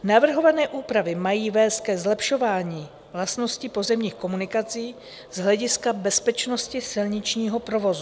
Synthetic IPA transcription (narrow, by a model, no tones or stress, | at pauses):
navr̩ɦo̞vanɛːʔuːpɾavɪmajiːvɛːst̪̚kɛzlɛpʃo̞vaːɲiː | vlast̪no̞scɪpo̞zɛmɲiːxko̞munɪkat͡siː | z̥ɦlɛɟɪskabɛspɛt͡ʃno̞scɪsɪlɲɪt͡ʃɲiːɦo̞pɾo̞vo̞zu